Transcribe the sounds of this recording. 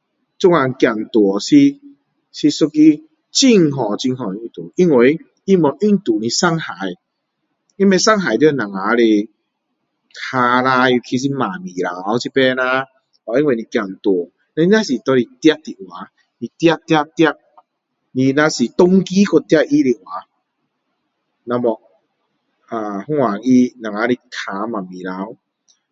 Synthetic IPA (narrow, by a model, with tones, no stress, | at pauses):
t͡ɕu˦ŋa˧˩ŋ˧kja˨˩ŋt̪wɔ˨˩si˦˧ | si˧su˦ki˦ | t͡ɕi˧ŋɦɔ˨˩t͡ɕi˧ŋɦɔ̃˨i˧t̪ṵ˨ʔi˦ŋwe˨˧˦ | i˦mɔ˨˩ʔy˧ŋt̪u˨nĩ˧sa˧˩ŋha˨˦j | i˦nbe˧sa˦ŋɦa˨˩jt̪i˧˦˧nã˨˩ŋa˨˦le˧ | kʰa˧la˧i˧˩kʰi˧s̬i˦mã˨˩mĩ˨la̰˨˦wt͡ɕʰi˦pe˦nã˧˦ | hɔ˨i˦nwe˧˨nĩ˧kja˨˩ŋ˨t̪wɔ˨˩ | na˧˦i˦nã˦si˨t̪ɔ˧ɾi˧t̪ja˦t̪i˨ʔwa˨˦ | nĩ˧t̪ja˦˧t̪ja˦˧t̪ja˥˧˨ʔ̚ | nĩ˧nã˧si˨t̪ɔ˧ŋki˦kʰɔ˧t̪ja˥˧ʔi˦li˧ʔwa˨˦ | nã˧mɔ˨˧ʔ | a˨hu˦wa˨i˧nã˨˩ŋa˨˧˦li˧kʰa˧mã˨mĩ˨˩la˨˧˦w